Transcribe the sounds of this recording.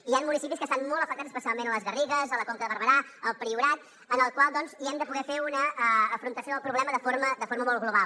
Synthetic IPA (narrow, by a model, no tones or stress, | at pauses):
ianmunisipiskəst̪anmɔlˠt̪əfək̚t̪at͡szə̥spəsialˠmenələzɣəriɣəzələkoŋkəðəβəɾβəɾaəlˠpɾiuɾat̪̚ | ənəlˠkwalˠd̪ɔnziɛmd̪əpuɣɛfeunəːfɾunt̪əsioðəlˠpɾuβlɛməðəfoɾməd̪əfoɾməmɔlˠɣluβalˠ